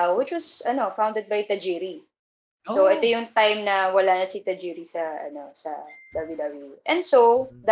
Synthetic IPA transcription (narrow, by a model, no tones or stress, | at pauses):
wɪt͡ʃwɐsɐno̞faw̃nd̪ɛd̪̚bɐjt̪ɐd͡ʒiɾi | soʔɛt̪ojʊŋt̪ajmnɐwɐlaːnɐsit̪ɐd͡ʒiɾisɐʔɐ̰no̞sɐ̰d̪ɐblud̪ɐbuʔɛ̃nd̪sowd̪